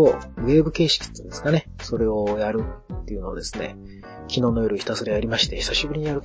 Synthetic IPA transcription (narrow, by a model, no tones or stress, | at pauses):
oβe̞ːbɯ̟ke̞ːɕi̥kʲi̥t̪ːeĩnd̪esɨ̥kane̞so̞ɾe̞ojaɾɯ̟ːe̞iɯ̟no̞̰d̪e̞sɨne̞̰ | kʲino̞ːno̞joɾɯ̟çi̥t̪asoɾejajaɾʲimaɕi̥t̪e̞çi̥saɕibɯ̟ɾʲiɲ̟ijaɾɯ̟